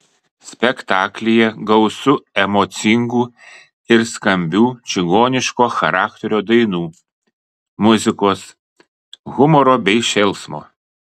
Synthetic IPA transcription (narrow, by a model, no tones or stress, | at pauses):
sʲpʲɛkt̪ɑːklʲɪjɛɡɐʊsʊɛmot̪sʲɪŋɡuː | ɪɾskɐmʲbʲuːt͡ʃʲɪɡoːnʲɪʃkoːxɐɾɑːkt̪ʲɛɾʲoːd̪ɐɪnuː | mʊzʲɪkoːs | ɣʊmɔːɾoːbʲɛɪʃʲɛlˠˑsmo̰ː